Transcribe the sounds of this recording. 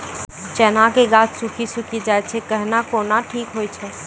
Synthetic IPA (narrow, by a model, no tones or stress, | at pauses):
t͡ʃɛːnakeɡaːt͡ʃsukʰisukʰid͡ʒaɛt̪t͡ʃʰɛkəɦnakoːnaʈʰiːkɦoːjt͡ʃʰɛ